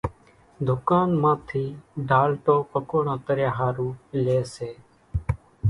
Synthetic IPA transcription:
d̪ʱʊkaːnmãːt̪ʰiːɖaːlʈoːpəkoːɳãːt̪əɾjaːɦaːɾũːleːseː

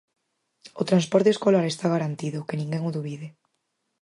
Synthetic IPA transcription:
ot̪ɾanspɔɾt̪eskolaɾest̪aɣaɾant̪iðʊkenĩŋɡɛŋoðuβiðe

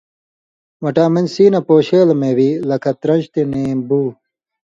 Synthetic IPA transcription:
wɐʈaːmend͡ʑsiːnɐpoːɕeːlɐmeːwiːlɐkʰɐt̪ɾɐ̃nɕt̪ineːmbuː

